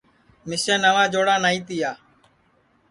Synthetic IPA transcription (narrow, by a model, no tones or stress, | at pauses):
mɪseːnəʋãːd͡ʒoːɽaːnaːĩːt̪ijaː